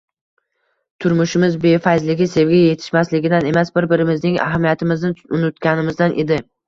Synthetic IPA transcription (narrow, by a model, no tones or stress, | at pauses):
t̪ʰʊɾmʊʃɪmɪzbe̞fajzlɪɡʲɪse̞vɡʲaje̞t̪ʰɪ̥ʃmaslɪɡʲɪd̪ane̞masbɪɾbɪɾɪmɪznɪŋa̰ɦamijat̪ʰɪmɪznɪʊnɪt̪kʲanɪmɪzd̪anʔed̪ɪ